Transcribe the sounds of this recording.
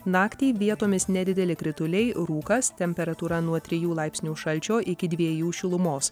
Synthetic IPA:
nɑːkt̪ʲɛːɪʋʲiɛt̪oːmʲɪsnʲɛd̪ʲɪd̪ʲɛlʲɪkɾʲɪt̪ʊlʲɛɪɾuːkɐst̪ʲɛmʲpʲɛɾɐt̪uːɾɐnuɔt̪ʲɾʲɪjuːlˠɐɪpʲsʲnʲuːʃɐlʲt͡ʃʲoːʔɪkʲɪd̪ʲʋʲiɛjuːʃʲɪlˠʊmoːs

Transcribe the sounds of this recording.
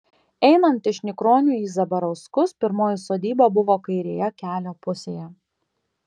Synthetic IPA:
ɛɪnɐnt̪ɪʃnʲɪkɾoːnʲuːiːzɐbɐɾɐʊskʊspʲɪɾmoːjɪsoːd̪ʲiːbobʊʋoːkɐɪɾʲeːjɛkʲæːlʲoːpʊsʲeːjɛ

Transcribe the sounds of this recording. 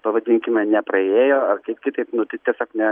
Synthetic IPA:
pɐʋɐd̪ʲɪŋʲkʲɪmʲɛnʲɛpɾɐeːjoːɐrkɐɪpkʲɪt̪ɐɪpnʊt̪ɐɪtʲiɛsʲoːknʲɛ

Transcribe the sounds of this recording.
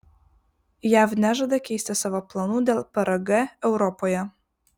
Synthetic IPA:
jæfnʲæʒɐd̪ɐkʲɛɪsʲt̪ʲɪsɑːʋoplˠɐnuːd̪ʲeːlˠpʲɐɾɐɡɛɛʊɾɔpojɛ

